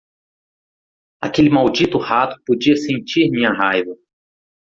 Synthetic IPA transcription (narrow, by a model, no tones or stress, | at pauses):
a̰kelɪmawd͡ʒit̪ʊhat̪ʊ̥pod͡ʒiɐsẽnt͡ʃiɾmĩɲɐɦajvɐ